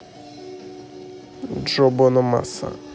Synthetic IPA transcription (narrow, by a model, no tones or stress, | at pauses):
dɾɔbɔnɔma̰sa̰